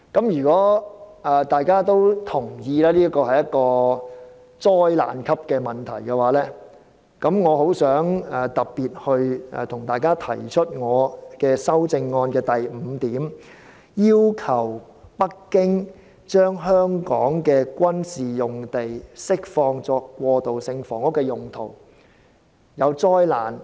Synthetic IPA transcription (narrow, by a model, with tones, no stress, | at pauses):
kɐ˨˥mjyː˨˩kɔː˨˥ɛː˨t̪aː˨jkaː˥t̪o˥wt̪ʰʊ˨˩ŋjiː˧lɛː˥liː˥ɐ˥kɔː˧hɐ˨jːɐ˦˥t̚kːɔː˧ | t͡sɔː˥jla̰ː˨nkʰɐ˥p̚kɛː˧mɐ˨˩nt̪ʰɐ̰˨˩jkɛ˧waː˨˥lɛː˥ | kɐ˨˥mŋɔː˨˧ho˨˥wsœː˨˥ŋɛː˨t̪ɐ˨˩p̚piː˨t̚hɵ˧ɥɛ̰˨˧t̪ʰʊ˨˩ŋt̪aː˨jkaː˥t̪ʰɐ˨˩jt͡ʃʰɵ˥t̚ŋɔː˨˧kɛː˧sɐ˥wt͡sɪ˧ŋːɔː˧nkɛː˧t̪ɐ˨jm̩ː˨˧t̪iː˨˥m | jiː˥wkʰɐ˨˩w | pɐ˥kːɪ˥ŋ | t͡ʃœː˥ŋɦœː˥ŋkɔː˨˥ŋkɛː˧kʷɐ˥nsiː˨jʊ˨ŋt̪e˨jsɪ˥k̚fɔː˧ŋt͡sɔː˧kːʷwɔː˧t̪o˨wsɪ˧ŋfɔː˨˩ŋʊ˥kːɛː˧jʊ˨˩ŋt̪ʰo˨˩w | jɐ˨˧wt͡sɔː˥jlaː˨˩n